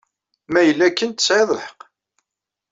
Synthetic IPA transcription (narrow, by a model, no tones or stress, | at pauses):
mæjəlːækːənt̪ə̥sʕeðˤləħə̥q